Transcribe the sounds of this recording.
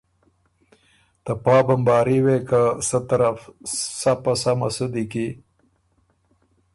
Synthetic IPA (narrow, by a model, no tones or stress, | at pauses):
t̪apɑːbambɑːɾiwekasət̪aɾafsapasamasud̪iki